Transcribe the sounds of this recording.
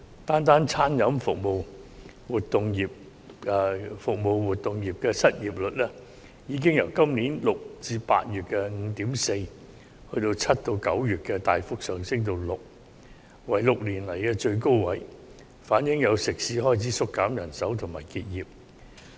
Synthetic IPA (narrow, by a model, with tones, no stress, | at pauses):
t̪aː˥nt̪aː˥nt͡sʰaː˥njɐ˨˥mfʊ˨k̚mo˨˧w | wuː˨tt̪ːʊ˨˧ŋji˨p̚ | fʊ˨k̚mo˨˧wwuː˨t̚t̪ːʊ˨ŋjiː˨˩p̚kɛː˧sɐ˥t̚jiː˨p̚lɵ˨t̚lɛː˥ | jiː˨˧˥k̬ɪ˥ŋjɐ˨˩wkɐ˥mniː˨˥nlʊ˨k̚t͡siː˧pa̰ː˧t̚jyː˨t̚kɛː˧ŋ̩˨˧˥t̪iː˨˥mse˧j | hɵ˧ɥt̪o˧wt͡sʰɐ˥t̚t̪o˧wkɐ˨˥wjyː˨t̚kɛː˧t̪aː˨˧jfʊ˥k̚sœː˨ŋsɪ˥ŋt̪o˧wlʊ˨k̚ | wɐ˨˩jlʊ˨k̚liː˨˩nlɐ˨˩jkɛː˧t͡ʃɵ˧ɥko˥wwɐ˨˥j | faː˨˥njɪ˨˥ŋjɐ˨˧wsɪ˨k̚siː˨˥hɔː˥jt͡sʰiː˨˥sʊ˥kːaː˨˥mjɐ˨˩nsɐ˨˥wt̪ʰʊ˨˩ŋmaː˨˩jkiː˧t̚jiː˨˩p̚